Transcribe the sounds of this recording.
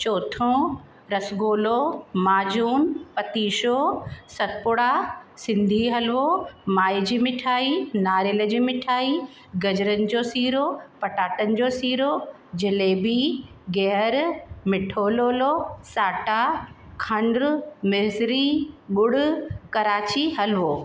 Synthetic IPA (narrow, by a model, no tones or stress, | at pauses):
t͡ɕoːt̪ʰõ | ɾɐsɡoːlomaːd͡ʑuːnpɐt̪iːʃosɐt̪̚pʊɽasɪ̃nd̪ʱiɦɐlʋomaːid͡ʑiːmɪʈʰaːinaːɾelə̆d͡ʑiːmɪʈʰaːi | ɡɐd͡ʑɾənɪ̆d͡ʑoːsiːɾopɐʈaːʈənɪ̆d͡ʑoːsiːɾo | d͡ʑɪleːbiɡɛɦɾmɪʈʰoːloːlosaːʈakʰɐ̃ɳɖɾmɪzɾiɓʊɽ̤ʊkɐɾaːt͡ɕiɦɐlʋoː